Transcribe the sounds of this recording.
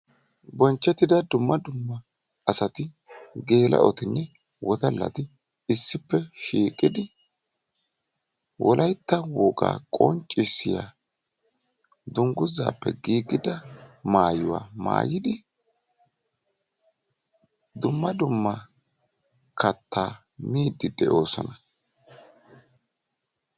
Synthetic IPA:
bɔnt͡ʃːɛt̪ːɪd̪ɐd̪ʊmːɐd̪ʊmːɐ | ɐsɐt̪ɪ | ɡe̞ːlɐ̰ʔɔt̪ɪnːɛ | wʔɔd̪ɐlːɐ̰t̪ɪ | ɪsːɪpːɛʃiːkʼːɪd̪ɪ | wʔɔlʔɐjt̪ːɐwɔɡa̰ːkʼɔnt͡ʃʼːɪsːɪja̰ | d̪ʊŋɡʊza̰ːpːɛ̰ɡiːɡɪd̪ɐmaːjʊwa̰ːma̰ːjɪd̪ɪ | d̪ʊmːɐd̪ʊmːɐ | kɐt̪ʰːaː | miːd̪ːɪd̪ɛʔo̞ːsɔ̰nɐ

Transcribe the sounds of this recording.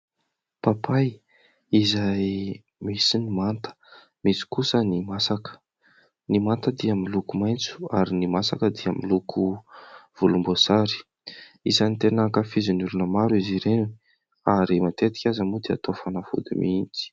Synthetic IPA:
papʰaj | izaj | misinimant̪ə̥ | misi̥kusənimasakə̥ | nimant̪əd̪iamilukumajnt͡su̥aɾinimasakəd̪iamilukʰuv̥ulumbozaɾi̥ | izanit̪enakafizinulunəmaɾuiziɾeni | aɾimant̪et̪i̥kʲazamud̪ia̰t̪ofanafṵd̪ḭmiint͡si̥

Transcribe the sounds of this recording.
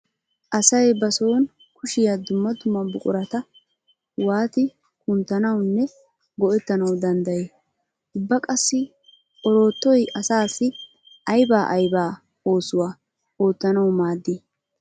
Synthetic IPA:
ʔɐsɐjbɐso̞ːn | kʊʃɪjɐd̪ʊmːɐt̪ʊmɐbʊkʼʊɾɐt̪ɐ | waːt̪ɪ | kʊnt̪ːɐnɐwnːɛ | ɡɔʔɛt̪ːɐnɐwd̪ɐnd̪ɐjeː | ʔʊbːɐkʼɐsːɪ | ɔɾo̞ːt̪ːɔjʔɐsaːsɪ | ɐjbaːʔɐjbaː | o̞ːsʊwaː | o̞ːt̪ːɐnɐwmaːd̪ːɪ

